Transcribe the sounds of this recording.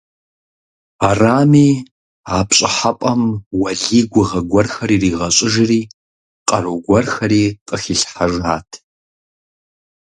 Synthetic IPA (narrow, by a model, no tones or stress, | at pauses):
araːmiː | aːpɕʼɪħapʼɐmwɐɮiːɡʷʊʁɐɡʷɐrxɐɾiːriːʁɐɕʼɪʒɪriː | qʼɐroɡʷɐrxɐɾiːqʼəxiɬħaʒaːtʰ